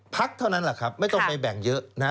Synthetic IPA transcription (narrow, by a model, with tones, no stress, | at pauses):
pʰa˦˥k̚t̪ʰa˥˩na˦˥nla˨˩kʰɾa˦˥p̚ma˥˩jt̪ɔ˥˧ŋpa˧jbɛ˨˩ŋjɤ˦˥ʔna˦˥